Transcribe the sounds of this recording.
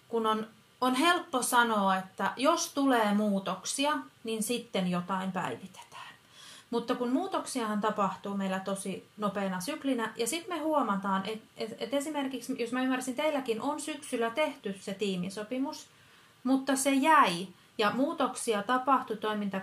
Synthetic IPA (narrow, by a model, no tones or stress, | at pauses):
kunon | onhelpːosɑnoːet̪ːæjost̪uleːmuːt̪oksiɑninsit̪ːenjot̪ɑimpæ̰iʋit̪e̥t̪æ̥ːn | mut̪ːɑkunmuːt̪oksiɑhɑnt̪ɑpɑht̪uːmeilæt̪osinopeːnɑsyklinæjɑsit̪mehuomɑt̪ɑːnʔet̪eet̪esimerkiksjosmæymːærsint̪eilːˑækinʔonsyksylːˑæt̪eht̪ysset̪iːmisopimus | mut̪ːɑsejæi | jɑmuːt̪oksiɑt̪ɑpɑht̪ut̪oimint̪ɑ